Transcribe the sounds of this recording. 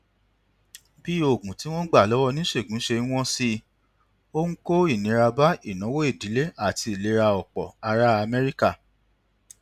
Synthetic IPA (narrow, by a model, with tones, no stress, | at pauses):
bi˦o˦˨ɡũ˨ti˨˦w̃ɔ̃˦ɡ͡ba˦˨lɔ˨˦wɔ˦nĩ˦ʃe˦˨ɡũ˨˦ʃe˧˦w̃ɔ̃˦si˧ | o˦ŋ̩̃˦ko˦i˦˨nĩ˨˧˦ɾa˧ba˦i˦˨nã˨˦wo˦e˦˨di˨˦le˦a˦˨ti˧i˨le˧˦ɾa˧ɔ˨k͡pɔ̰˨a˧ɾa˦a˧mɛ˦ɾi˦ka˦˨